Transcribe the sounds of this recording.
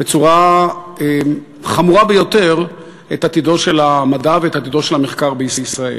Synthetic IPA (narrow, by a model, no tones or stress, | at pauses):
b̥et͡suʁae | χamuʁabejo̞teʁ | etat̪ido̞ʃe̞lamadaveethat̪idoʃelhameχkaʁbeisisʁaḛl